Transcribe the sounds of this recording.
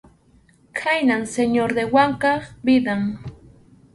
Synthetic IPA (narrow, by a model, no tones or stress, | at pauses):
kʰajnanseɲoɾd̪ewaŋkɑχbɪd̪aŋ